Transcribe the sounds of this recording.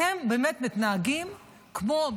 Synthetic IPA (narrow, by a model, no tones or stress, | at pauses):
embeːmet̪mit̪naaɡim | kmo̞